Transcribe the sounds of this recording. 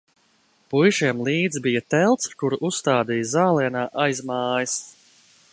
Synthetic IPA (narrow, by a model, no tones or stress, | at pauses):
pujʃiɛmlˠiːd̪zbijat̪ɛlˠt̪skuɾʔusːt̪aːd̪ijazaːlˠiɛnaːʔajzmaːjis